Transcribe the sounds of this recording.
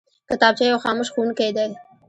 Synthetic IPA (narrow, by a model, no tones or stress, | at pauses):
kɪt̪ɑːb̚t͡ʃejawxɑmʊʃxunked̪aj